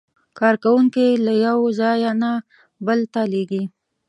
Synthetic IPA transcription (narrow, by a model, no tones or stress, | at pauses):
kɑɾkawuŋkelajawzɑjana | bəlt̪aleɡi